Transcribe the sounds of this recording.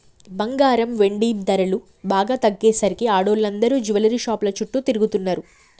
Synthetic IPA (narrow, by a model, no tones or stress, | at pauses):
bɐŋɡaːɾɐmʋe̞ɳɖiːbd̪ɐɾɐlu | baːɡaːt̪ɐɡːeːsɐɾikiaːɽoːlːɐnd̪ɐɾuːd͡ʒuʋɐlɐɾiːʃaːplɐt͡ʃuʈːut̪iɾuɡut̪unːaːɾu